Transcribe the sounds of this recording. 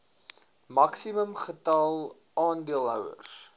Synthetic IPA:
mɐksiməmχətɐlˠ | ɑːndiəlˠɦœ̰wə̰rs

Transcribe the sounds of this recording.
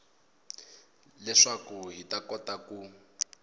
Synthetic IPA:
lɛʂakuɦitakɔtaku

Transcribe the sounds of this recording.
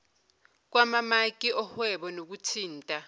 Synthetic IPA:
k̬wamamak̬ʼiʔɔhwɛɓɔnok̬utʰiːntʼa

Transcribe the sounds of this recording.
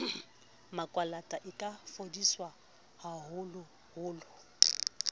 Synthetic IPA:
makʼwalatʼaʔɪkʼafodiswa | haɦʊlʊ | hʊːlʊ

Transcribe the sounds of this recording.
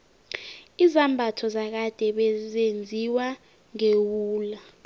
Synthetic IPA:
izambʱatʰɔzak̬ad̥ʱɛɓɛzend͡zʱiwa | ŋewuːla

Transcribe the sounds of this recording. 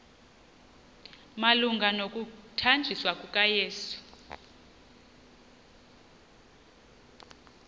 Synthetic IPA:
maluŋɡʱanokʼutʰand͡ʒʱiswakʼukʼajeːsu̥

